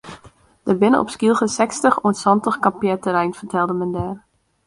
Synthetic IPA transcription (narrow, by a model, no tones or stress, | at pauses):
d̥əbɪnəʔɔ̰pskilˠxəsɛkstəχuənsɔntəχkampjɛtəɾɛjnfərtʰɛlˠdəmɛndɛːr